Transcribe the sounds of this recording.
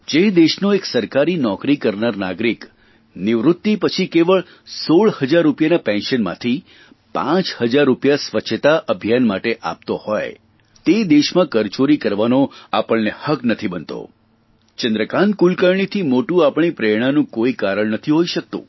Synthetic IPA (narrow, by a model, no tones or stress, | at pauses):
d͡ʒed̪eʃnoeksəɾkaɾinɔkɾikəɾnaɾna̰ɡɾik | niʋɾʊt̪ːipət͡ʃʰikeʋəɭ | soɭhəd͡ʒaɾːupjanapɛ̃nʃənmã̰t̪ʰi | pã̰t͡ʃhəd͡ʒaɾːupjasʋət͡ʃʰːət̪aʔəbʱjanmaʈeʔa̰p̚t̪ohɔj | t̪ed̪eʃmãkəɾt͡ʃoɾikəɾʋanoapəɭnehəknət̪ʰibənt̪o̰ | t͡ʃənd̪ɾəkãn̚kulkəɾɳ̃it̪ʰimoʈũapɳ̃ipɾeɽ̃anũkoikaɾəɭnət̪ʰiɦoiʃək̚t̪ṵ̃